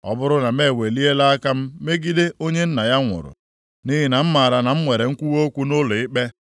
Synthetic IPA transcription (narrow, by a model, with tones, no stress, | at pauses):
ɔ̰˨bʊ˦ɾʊ˦na˨me˦˨we˨li˦e˦la˦a˦ka˦m̩˦me˦ɡi˦de˦o˦ɲe˦n̩˦na˨ja˦ŋʷʊ̰˨ɾʊ̰˨ | ni˦ɦi˦na˨m̩˦ma˨ɾa˨na˨m̩˦ŋʷe˨ɾe˨ŋ̩˦kʷu˦wo˦kʷu˦nʊ˦lʊ˨ɪ˦k͡pe˦